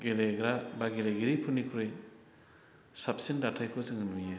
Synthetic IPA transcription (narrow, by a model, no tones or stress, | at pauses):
ɡeleɡɾabaɡeleɡiɾipʰunikʰɾɯj | sap̚sindatʰajkʰɔzɯŋɯnija